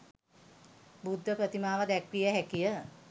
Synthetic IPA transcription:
bud̪ʱːəpɾət̪imaːʋəd̪ækrijəɦækijə

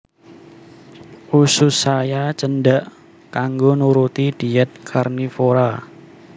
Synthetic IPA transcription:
ʔusʊsajat͡ʃənɖaʔ | kaŋɡonuɾut̪id̥i̤ɛt̪̚kʰarnifoɾa

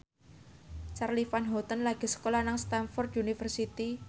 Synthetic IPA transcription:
t͡ʃarlifanɦɔt̪ənlaɡ̥i̤sə̥kolanaŋst̪anfɔrt̪unifərsit̪i

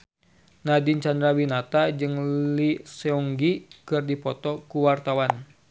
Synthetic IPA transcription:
nadint͡ʃand̪ɾawinat̪ad͡ʒɨŋlisɛɔŋɡikɨrdipɔt̪ɔkuwart̪awan

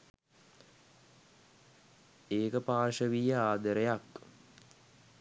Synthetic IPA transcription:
eːkəpaːʂəʋijəaːd̪əɾejak

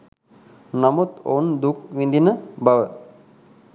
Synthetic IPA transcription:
namut̪ond̪ukʋind̪inəbaʋə

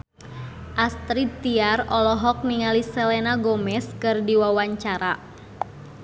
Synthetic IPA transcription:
ʔast̪ɾit̪iarɔlɔɦɔk̚niŋalisɛlɛnaɡɔmɛskɨrdiwawaɲt͡ʃaɾa

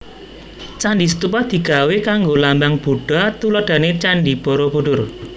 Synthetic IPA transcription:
t͡ʃanɖis̬ət̪upad̪̥i̤ɡ̥a̤wekaŋɡolambaŋb̥uɖ̥a̤t̪ulɔd̪̥a̤net͡ʃanɖib̥ɔ̤ɾob̥o̤ɖʊr

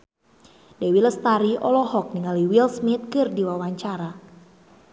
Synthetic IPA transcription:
dɛwiləst̪aɾiʔɔlɔɦɔk̚niŋaliwilsmit̪̚kɨrdiwawaɲt͡ʃaɾa

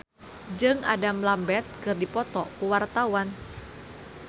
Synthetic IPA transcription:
d͡ʒɨŋa̰damlambɛrt̪̚kɨrdipɔt̪ɔkuwart̪awan

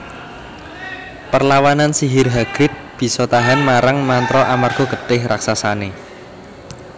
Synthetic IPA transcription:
pərlawanansiɦirɦaɡ̥ɾɪt̪̚b̥i̤sɔt̪aɦanmaɾaŋmant̪ɾɔʔamarɡ̥ɔ̤ɡ̥ə̤ɖ̥ɪhraksasane

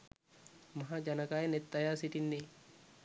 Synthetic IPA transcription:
mɐɦad͡ʒɐnɐkaːjɛnɛt̪ːɐjaːsɪt̪ɪnːɛ

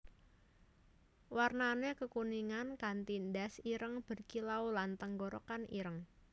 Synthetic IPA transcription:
warnanekəkuniŋankant̪indasiɾəŋb̥ə̤rkilaulant̪əŋɡɔɾɔ̰kanḭɾəŋ

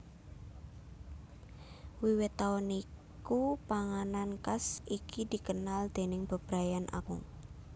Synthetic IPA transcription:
wiwɪt̪ːaɔnikupaŋanankasikid̪̥i̤kənald̪̥e̤nɪŋb̥ə̤b̥ɾajanʔa̰kʊ̰ŋ

